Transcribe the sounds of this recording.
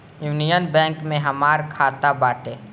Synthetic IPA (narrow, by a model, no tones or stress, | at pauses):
juʋnijənbɛ̃ːŋkmẽɦɐmaːɾkʰaːt̪abaːʈeː